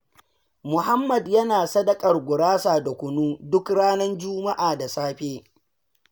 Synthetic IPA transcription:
mʊ˨ha˦mːɐ˨djɐ˦naː˨sɐ˦dɐ˨kʼɐ˨rɡʷʊ˨ɽaː˦saː˨da˨kʷʊ˨nuː˦dʊ˦kɽaː˦nɐ˦nd͡ʒuː˦ma˦ʔaː˨da˨saː˦ɸeː˦

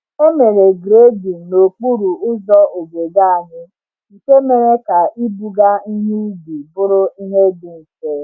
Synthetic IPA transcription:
o˦me˨ɾe˨ɡɾe˦di˨no˨k͡pu˦ɾu˨ʊ˦zɔ˦o˨ɡe˨ɡa˦a˨ɲɪ˦˨ | ke˦me˨ɾe˦ka˨ʔi˦bu˨ɡa˦i˦ɲi˦bi˨bʊ˦ɾʊ˦i˦ɦe˦dʊ˨n̩˨teː˨˦

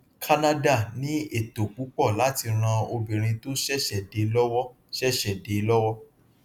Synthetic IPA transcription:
kʰa˧na˦da˦˨nĩ˨˦e˦˨to˨k͡pu˨˦k͡pɔ˦˨la˨˦ti˧ɾ̃ã˧o˧bĩ˨ɾ̃ĩ˧to˦ʃɛ˦˨ʃɛ˦˨de˨lɔ˦wɔ˦ | ʃɛ˦˨ʃɛ˨de˨˦lɔ˦wɔ˦

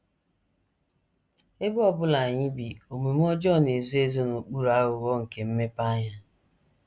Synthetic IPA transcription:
e˦bʊ˦ɔ˦bʊ˦la˨ɲɪ˦bi˨o˨me˨m˦ɔ˦d͡ʒɔ˦˨ne˨zu˦e˦zo˦nu˨k͡pu˦ɾa˦ɣʊ˨ɣɔ˦ŋ̩˨ke˨m̩˦me˦pa˦ɲa˦

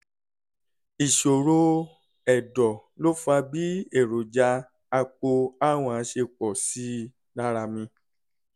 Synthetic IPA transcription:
i˨ʃo˨ɾo˧ | ɛ˨dɔ˨lo˦fa˧bi˦e˦˨ɾo˨d͡ʒa˧ | a˧k͡po˧a˦w̃ɔ̃˧˨ã˨˦ʃe˧k͡pɔ˨si˨˦ | na˦ɾa˧mĩ˧

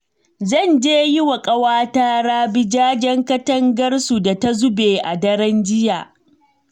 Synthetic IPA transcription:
zɐ˦˨nd͡ʒeː˦ji˦wɐ˨kʼɐ˦waː˦taː˦ɽaː˦bɪ˦d͡ʒaː˦d͡ʒɐ˦ŋkɐ˦tɐ˦ŋɡɐ˦rsu˨da˨ta˦zʊ˦beː˨ʔa̰˨dɐ˦ɾɐ˦nd͡ʒɪ˦ja̰˨ʔ

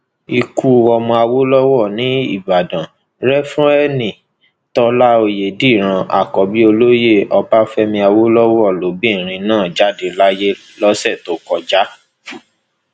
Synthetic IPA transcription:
i˧ku˦ɔ˧mɔ̃˧a˧wo˦lɔ˦wɔ˦˨nĩ˨˦ḭ˦˨ba˨dã˨ | ɾɛ˦fɾ̃ɔ̃˦ɛ˦nĩ˨ | tɔ˧la˦o˧je˨di˦˨ɾ̃ã˧a̰˨kɔ˨bi˨˦o˧lo˦je˦˨ɔ˧ba˦fɛ˦mĩ˧a˧wo˦lɔ˦wɔ˦˨lo˨˦bĩ˦˨ɾ̃ĩ˧nãː˦˨d͡ʒa˦de˧la˦je˦ | lɔ˦sɛ˦˨to˨˦kɔ˧d͡ʒa˦

